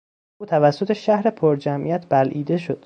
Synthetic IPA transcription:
uːt̪ʰævæsːot̪ʰe̞ʃæhɾepʰoɾd͡ʒæmʔḭjæt̪ʰb̥ælʔiːd̪e̞ʃo̞d̪̥

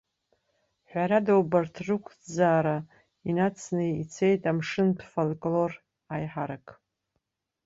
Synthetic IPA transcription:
ħʷᶣaɾadowbartʰrɨkʷʰʼd͡zaːɾa | inat͡sʰnɨit͡sʰe̞jtʼamʂɨnpʰfolkʼlo̞r | ajħaɾakʼ

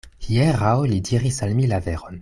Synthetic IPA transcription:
hijeʁawlidiʁisalmilaveʁon

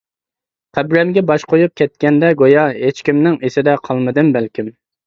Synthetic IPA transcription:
qʰæbɾɛmɡʲɛbɑʃqojup̚kʲʰɛt̪̚kʲɛnd̪ɛɡojɑɦet͡ʃkʲimnɪŋesɪd̪ɛqʰɑlˠmɨd̪ɨmbælkʲim

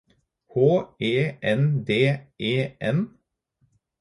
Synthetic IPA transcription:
hoːeːʔɛnd̪eːʔeːʔɛn

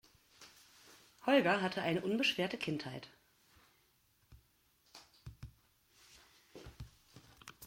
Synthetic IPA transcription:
hɔlɡɐɦatʰəʔaɪnəʔʊnbəʃv̥ɛːɐtəkʰɪnthaɪt

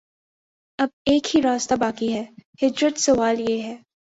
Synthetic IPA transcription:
ɐb̚eːkhiɾaːst̪abaːkiɦɛːhɪd͡ʒɾət̪sɐʋaːljeɦɛː

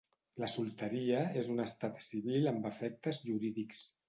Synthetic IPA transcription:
ləsulˠt̪əɾiəezunəst̪at̪siβ̞iləmbəfɛk̚t̪əzʒuɾiðiks

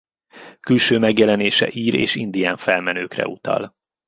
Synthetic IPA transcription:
kylʃøːmɛɡjɛlɛneːʃɛ̰ʔiːɾeːʃind̪ijaːɱfɛlmɛnøːkrɛ̰ut̪ɒ̰l

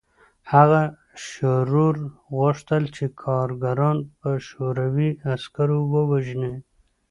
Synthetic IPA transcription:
haɣa | ʃoɾuɾɣʊʂt̪əlt͡ʃekʰɑɾɡaɾɑnpəʃoɾawiaskaɾowəwaʒne

